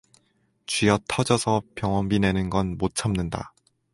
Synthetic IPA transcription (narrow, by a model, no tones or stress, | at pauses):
t͡ɕɥijʌtʰʌd͡ʑʌsʰʌpjʌŋwʌmbine̞nɯnɡʌnmot͡ɕʰamnɯnda̰